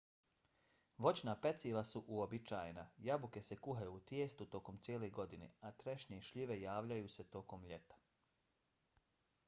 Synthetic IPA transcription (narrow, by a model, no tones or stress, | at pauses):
ʋo̞t͡ɕnape̞t̪silasuʔuobit͡ʃaːjenajabuke̞se̞kuɦajuːt̪jeːst̪ut̪o̞ko̞mt̪jeːle̞ɡo̞d̪inḛat̪ɾeʃɲeʃʎiʋe̞jaːʋʎajuːse̞t̪o̞ko̞mʎe̞t̪ḁ